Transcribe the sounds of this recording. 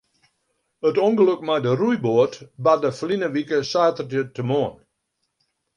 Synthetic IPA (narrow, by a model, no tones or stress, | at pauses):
ətɔŋɡəløkmajdərujboətbadəflinəʋikəsaːtərdjətəmoən